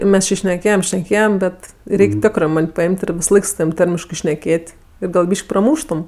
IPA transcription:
ˈmʲɛs t͡ʃʲɪ ʃʲnʲɛˈkʲeːjɛm ʃʲnʲɛˈkʲeːjɛm ˈbʲɛt ˈrʲɛɪkʲ ˈtʲæːkrɜ ˈmɐnʲ pɐˈɪmʲtʲ ɪr ʋʲɪsɐˈlˠɐɪk sʊ tɐˈʋʲiːm ˈtɐrʲmʲɪʃkɜ ʃʲnʲɛˈkʲeːtʲ ˈɪr ɡɐlˠ ˈbʲiːʃʲkʲ prɐˈmuːʃtʊm

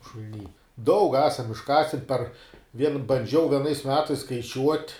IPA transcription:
ʃʊlʲˈnʲiː dɐʊk ˈæːsɐm ɪʃˈkɑːsʲɪn pɐr ʋʲiɛn bɐnʲˈd͡ʒʲɛʊ ʋʲiɛˈnɐɪs ˈmʲæːtɐɪs skɐɪˈt͡ʃʲuɔtʲ

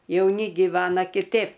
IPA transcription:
jɛʊˈnʲɪ ɡʲɪˈʋɑːnɐ kʲɪˈtʲeːp

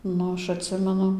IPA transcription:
ˈnʊ ˈɐʃ ɐtʲˈsʲɪmʲɛnʊ

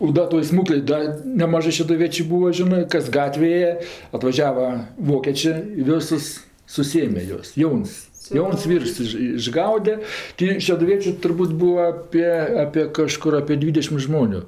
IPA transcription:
oː ˈdɐ toːj ˈsmuːklʲeːj ˈdɐ nʲɛˈmɑːʒɜ ʃʲɛdʊˈʋʲiɛt͡ʃʲʊ ˈbuːʋɐ ˈʒʲɪnɜ ˈkɐs ˈɡɑːtʲʋʲeːj ˈeːjɛ ɐtʋɐˈʒʲæːʋɐ ˈʋoːkʲeːt͡ʃʲeː ɪ ˈʋʲoːsʊs sʊˈsʲeːmʲɛ ˈjuɔs ˈjɛʊns ˈjɛʊns ˈʋʲiːrs ɪʃ ɪʒˈɡɐʊdʲɛ tʲɪ ʃʲɛdʊˈʋʲiɛt͡ʃʲʊ tʊrˈbuːt ˈbuːʋɐ ˈɑːpʲiɛ ɐpʲiɛ kɐˈʃkʊr ɐpʲiɛ ˈdʲʋʲiːdʲɛʃʲɪm ˈʒmoːnʲʊ

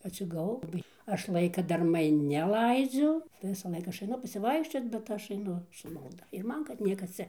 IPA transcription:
ɐtʲsʲɪɡɐˈʋɐʊ lˠɐˈbɐɪ ˈɐʃ ˈlˠɐɪkɐ dɐrˈmɐɪ nʲɛˈlˠɐɪd͡zʲʊ tɐɪ ʋʲɪsɐˈlˠɐɪk ˈɐʃ ɐɪˈnʊ pɐsʲɪˈʋɐɪkʃʲt͡ʃʲoːt bʲɛt ˈɐʃ ɐɪˈnʊ sʊ mɐlˠˈdɐ ɪr ˈmɐn kɐt ˈnʲiɛkɐs ˈt͡sʲɛ

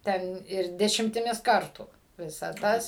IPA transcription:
ˈtʲɛn ɪr dʲɛʃʲɪmʲtʲɪˈmʲɪs ˈkɐrtuː ˈʋʲɪsɐ ˈtɐs

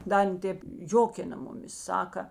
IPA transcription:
ˈdɐ ˈɐn ˈtʲeːp ˈjoːkʲɪnɐ ˈmʊˌmʲɪs ˈsɑːkɐ

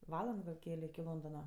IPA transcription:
ˈʋɑːlˠɐnt ɡɐlˠ ˈkʲæːlʲɛ ɪkʲɪ ˈlˠoːndoːnɐ

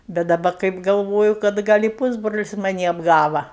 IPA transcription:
bʲɛt dɐˈbɐ kɐɪp ɡɐlˠˈʋoːjʊ kɐt ˈɡɐlʲ ɪ ˈpuːzbroːlʲɪs mɐˈnʲiː ɐbˈɡɑːʋɐ

